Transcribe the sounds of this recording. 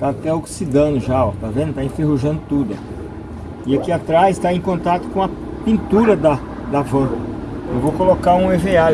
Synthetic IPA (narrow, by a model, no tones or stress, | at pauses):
t̪at̪ɛoksid̪ɐ̃nd̪ʊʒaot̪avẽnd̪ʊt̪aẽfeɦoʒɐ̃nd̪ʊt̪ud̪ʊɐki | iakiat̪ɾazɪst̪aẽj̃kõnt̪at̪ʊ̥kõɐ | pĩnt̪uɾɐd̪ɐ | d̪ɐvɐ̃ewvowkolokaɾũevea